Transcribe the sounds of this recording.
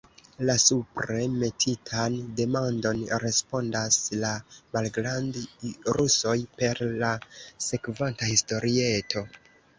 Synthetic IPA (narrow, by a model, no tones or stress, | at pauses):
lasupɾe̞me̞tʰitʰande̞mando̞nɾe̞spo̞ndaslamalɡɾandɾuso̞jpe̞ɾlase̞kvantahisto̞ɾie̞tʰo̞